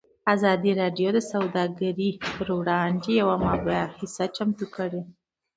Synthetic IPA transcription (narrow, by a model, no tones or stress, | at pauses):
azɑd̪iɾɑɖjod̪əsawd̪ɑɡaɾipəɾwɽɑnd̪ejawamɑbaahisat͡ʃamt̪ukəɽe